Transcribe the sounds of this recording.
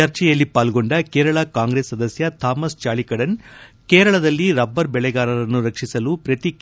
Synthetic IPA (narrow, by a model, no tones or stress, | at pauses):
ɐɾt͡ʃɛjɐlːipaːlɡo̞ɳɖɐkeːɾɐɭɐkaːŋɡɾeːsːɐd̪ɐsjɐt̪ʰaːmɐst͡ʃaːɭikɐɽɐnkeːɾɐɭɐd̪ɐlːiɾɐbːɐɾbɛɭɛɡaːɾɐɾɐnːuɾɐkʂisɐlupɾɐt̪i